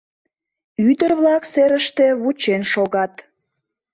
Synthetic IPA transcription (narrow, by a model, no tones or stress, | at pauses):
yd̪ərβlɑkseɾəʃt̪e̽βut͡ɕenʃoɣɑt̪